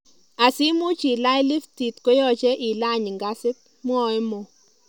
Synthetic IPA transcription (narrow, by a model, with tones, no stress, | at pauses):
a˨si˦mo˦t͡ʃi˨la˦jli˦fti˨tko˦jɔ˦t͡ʃe˦ʔi˨la˦˨ɲ˨ŋɡa˦sɪ˦t̚ | m˦ɔ˨˦ɪ˦mo˨